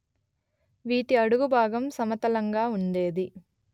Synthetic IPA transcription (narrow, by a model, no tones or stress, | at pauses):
ʋiːʈiɐɽuɡubʱaːɡɐmsɐmɐt̪ɐlɐŋɡaːuɳɖe̞ːd̪i